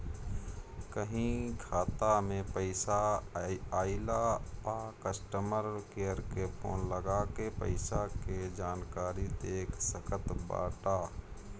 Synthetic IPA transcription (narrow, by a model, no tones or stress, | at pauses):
kəɦĩkʰaːt̪amẽpəɪsa | aːɪlaakəsʈəməɾkejəɾkepʰo̰ːnləɡakepə̰ɪsaked͡ʒaːnkaːɾit̪eːksəkʰət̪ba̰ːʈaː